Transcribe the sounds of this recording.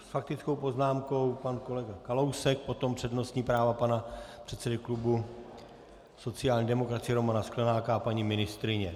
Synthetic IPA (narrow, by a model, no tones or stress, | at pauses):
sfak̚t̪ɪt͡skowpo̞znaːmko̞wpanko̞lɛɡakalo̞wsɛk̚po̞t̪o̞mpr̥ɛdno̞st̪ɲiːpɾaːvapanapr̥ɛt̪sɛdɪklubu | so̞tt͡sɪjaːlɲiːdɛmo̞kɾat͡sɪjɛɾo̞manasklɛnaːkaapaɲimɪnɪst̪ɾɪɲɛ